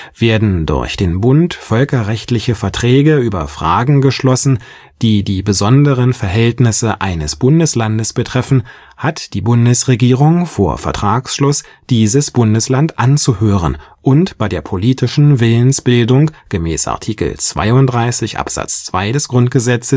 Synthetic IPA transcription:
v̥eːɐdn̩dʊ̰ɐçd̥eːnbʊntfœlkɐʁɛçtlɪçəfɛɐtʁ̥ɛːɡəyːbɐ̰fʁ̥aːɡŋ̩ɡəʃlɔsn̩ | d̥iːdiːbəzɔndəʁənfɛɐɦɛltnɪsəʔaɪnəsb̥ʊndəslandəsb̥ətʁ̥ɛfn̩ | hatd̥iːbʊndəsʁeɡiːʁʊŋfoːɐfɛɐtʁ̥aːksʃlʊs | d̥iːzəsb̥ʊndəslantʔant͡suhøːʁə̰nʔʊntb̥aɪdeːɐpʰoliːtɪʃn̩vɪlənsb̥ɪldʊŋɡ̥əmɛ̰ːsʔa̰ɐtʰiːkl̩t͡sv̥a̰ɪʊndʁaɪsɪçʔa̰pz̥a̰t͡st͡sv̥aɪdɛsɡ̥ʁʊntɡ̥əzɛt͡səs

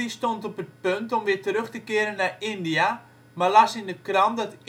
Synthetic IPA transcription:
istɔntɔpət̚pɵntɔmʋɪtəɾɵχtəkɪəɾənːarɪndija | malasɪndəkrɑmdɑt

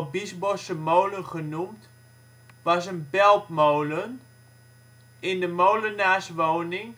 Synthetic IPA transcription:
bisbosəmowlənχənumt | ʋɑsənbɛlˠpmowlən | ɪndəmowlənaːsʋoːnɪŋ

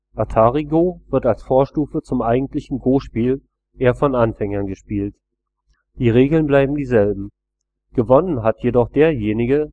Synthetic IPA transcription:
ʔatʰaːʁiɡovɪɐtalsfoːɐʃtuːfət͡sʊmʔaɪɡŋ̩tlɪçn̩ɡoːʃpiːl | ʔeːɐfɔnanfɛŋɐnɡəʃpiːlt | d̥iːʁeːɡl̩nblaɪbm̩diːzɛlbm̩ | ɡ̥əvɔnənɦatjedɔχd̥eːɐjeːnɪɡə

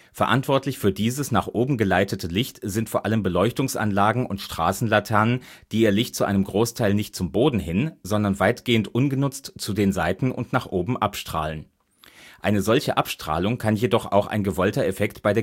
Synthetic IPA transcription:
fɛɐʔa̰ntv̥ɔɐtlɪçfyːɐdiːzəsnaːχʔoːbm̩ɡəlaɪtətʰəlɪçtz̥ɪntfoːɐʔaləmbəlɔʏçtʊŋsʔa̰nlaːɡŋ̩ʔʊntʃtʁ̥a̰ːsn̩latʰɛɐnənd̥iːiːɐlɪçt̚t͡suʔaɪnəmɡʁoːstʰaɪlnɪçt̚t͡sʊmboːdn̩ɦɪnzɔndɐnvaɪtɡ̥eːəntʔʊnɡənʊt͡stt͡sudeːnzaɪtn̩ʊ̰ntnaːχʔoːbm̩ʔapʃtʁ̥a̰ːlən | ʔaɪnəzɔlçəʔapʃtʁ̥a̰ːlʊŋkʰanjedɔχa̰ʊxa̰ɪnɡəvɔltɐefɛktb̥aɪdeː

